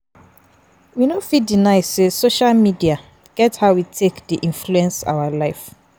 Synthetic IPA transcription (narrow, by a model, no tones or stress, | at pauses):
winofidinaɪsesoʃalmidia | ɡ̥ɛthaʊwitʰekdiʔĩnfluɛ̃nsa̰walaɪf